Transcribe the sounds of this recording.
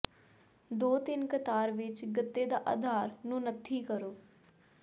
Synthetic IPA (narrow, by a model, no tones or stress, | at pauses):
d̪oːt̪ɪnkət̪aːɾʋɪt͡ʃɡət̪ːeːd̪aːʔa̰ːd̪ʱaːɾnũːnət̪ʰːiːkəɾoː